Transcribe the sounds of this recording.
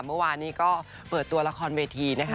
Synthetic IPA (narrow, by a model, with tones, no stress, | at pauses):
mɯ˥˩˨waː˧nːiː˦˥kɔː˥˩ | pɤː˨˩t̪ːu˧ɐla˧kʰɔː˧nweː˧t̪ʰiː˧na˦˥kʰ